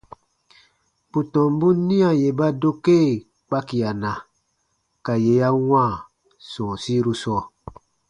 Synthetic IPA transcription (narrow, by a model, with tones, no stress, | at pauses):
pu˨tɔ̃˨m˦bu˦nĩ˦ã˨je˨ba˦do˦ke˦˨ | k͡pa˦ki˨a˨nã˨ | ka˨je˨˦ja˦wã˦˨ | sɔ̃ː˨si˦ɾu˦sɔː˦˨